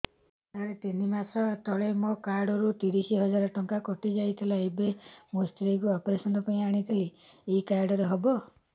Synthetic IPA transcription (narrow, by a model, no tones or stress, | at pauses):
t̪aɾet̪inimat̪ʰɔt̪ɔɭemokaɾɖɔɾut̪iɾisiɦɔd͡ʒaɾɔʈɔŋkakɔʈid͡ʒajt̪ʰilaebemosʈɾiɡuɔpɔɾesɔnɔpaĩaɽ̃it̪ʰili | eikaɾɖɔɾeɦɔbɔ